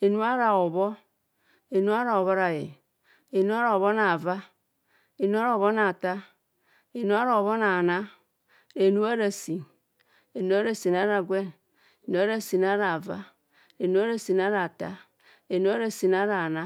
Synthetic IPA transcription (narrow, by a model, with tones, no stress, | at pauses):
e˨nu˦a˦ɾa˨o˨βo˦ | e˨nu˦a˦ɾa˨o˨βo˦ɾa˨jḛ˨ | e˨nu˦a˦ɾa˨o˨βo˦na˨va˦ | e˨nu˦a˦ɾa˨o˨βo˦na˨ta˦ | e˨nu˦a˦ɾa˨o˨βo˦na˨na˦ | e˨nu˦a˦ɾa˨si˨n | e˨nu˦a˦ɾa˨si˨na˦ɾa˨ɡwe˦n | e˨nu˦a˦ɾa˨si˨na˦ɾa˨va̰˦ | e˨nu˦a˦ɾa˨si˨na˦ɾa˨ta̰˦ | e˨nu˦a˦ɾa˨si˨na˦ɾa˨na˦